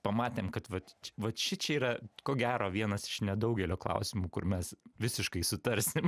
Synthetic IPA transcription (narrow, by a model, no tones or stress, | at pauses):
pɐmɑːt̪ʲeːmkɐt̪ʋɐt̪t͡ʃʲʋɐt̪ʃʲɪt͡ʃʲɛiːɾɐkoːɡʲæːɾoːʋʲiɛnɐsɪ̥ʃnʲɛd̪ɐʊɡʲɛlʲoːklˠɐ̰ʊsʲɪmuːkʊ̰ɾmʲɛsʋʲɪsʲɪʃkɐɪsʊt̪ɐɾʲsʲɪm